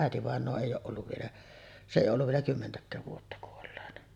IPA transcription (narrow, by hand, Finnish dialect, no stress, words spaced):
ʔæˑetiʋɑˑenˑoː eˑij oːʔ ʔolːuʋ ʋielæ se ʔei olːuʋ ʋielæ kymːentækˑæːʋ ʋuotːɑ kuolːeːnɑ